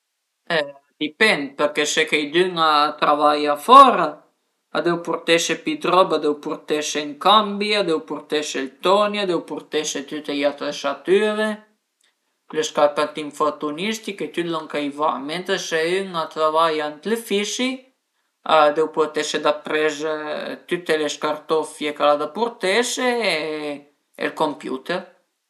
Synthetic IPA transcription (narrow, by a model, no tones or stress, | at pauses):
ɛ | d̪ipɛnd̪̚peɾkesekejd̪yŋat̪ɾavajafɔɾa | a̰d̪ewpuɾt̪ɛʃepid̪ɾɔbad̪ɛwpuɾt̪eʃeŋkambiad̪ɛwpuɾt̪eʃelt̪ɔniad̪ɛwpuɾt̪eʃet̪yt̪ejat̪ɾeʃat̪yɾe | lɛʃkaɾkat̪imfɔt̪unist̪ikɛt̪yt̪lɔŋkajva̰mɛnt̪əsɛyŋat̪avajant̪lɛfiʃi | ad̪ɛwplɔt̪ɛʃɛd̪apɾɛzt̪yt̪ɛlɛʃkaɾt̪ɔfjɛkalad̪apuɾt̪ɛsɛ | ɛ̰lkɔmpjṵt̪ɛɾ